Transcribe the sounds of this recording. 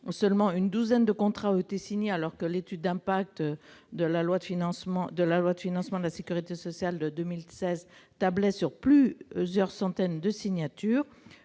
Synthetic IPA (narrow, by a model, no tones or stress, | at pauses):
sœlmɑ̃ynd̪uzɛnd̪əkɔ̃t̪χaɔet̪esiɲealɔʁkəlet̪yd̪ːɛ̃pak̚t̪d̪əlalwad̪əfinɑ̃smɑ̃d̪əlalwad̪əfinɑ̃smɑ̃d̪əlasekʲyʁit̪esɔsjald̪əd̪ømilsɛzt̪ablɛsyʁplyzjœʁsɑ̃t̪ɛnd̪əsiɲat̪yːʁ